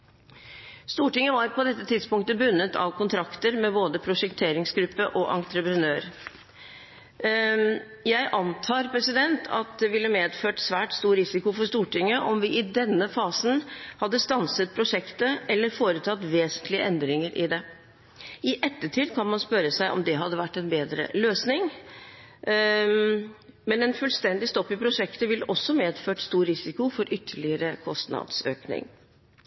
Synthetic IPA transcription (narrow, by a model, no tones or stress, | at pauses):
st̪uːʈɪŋːəʋɑɾpʰɔd̪ɛt̪ːət̪ʰɪd̪spʊŋkt̪əbʉnːət̪ʰɑ̰ʋkʰʊnt̪ʰɾɑkt̪əɾmɛboːd̪əpʰɾʊʂɛkt̪ʰeːɾɪŋsɡɾʉpːəʔɔʔɑ̰nt̪ɾəpɾənøːɾ | jæɪʔɑnt̪ʰɑːɾpʰɾɛsɪd̪ɛnt̪ʰɑ̰t̪̚d̪ɛʋɪlːəmeːd̪føːʈsʋæːʈst̪uːɾɾɪsɪkʊfɔʂt̪uːʈɪŋːəʔɔmʋɪʔɪd̪ɛnːəfɑːsnhɑd̪ːəst̪ɑnsət̪̚pʰɾʊʂɛkt̪əʔɛlːəɾfoːɾət̪ʰɑt̪ʋeːsənt̪lɪə̰ʔɛnd̪ɾɪŋəɾʔɪ̰d̪ɛ | ɪʔɛt̪ːəʈʰiːd̪kʰɑnmɑnspœɾəsæɪʔɔ̰md̪ɛɦɑd̪ːəʋæʈːɛnbeːd̪ɾə̰løːsnɪŋ | mɛnɛnfʉlst̪ɛnd̪ɪst̪ɔpːɪpʰɾʊʂɛkt̪əʋɪlːəʔɔsːɔmeːd̪føːʈst̪uːɾɾɪsɪkʊfɔɾʔʏt̪ʰːəɭɪəɾəkʰɔst̪nɑ̰d̪sø̰ːknɪ̰ŋ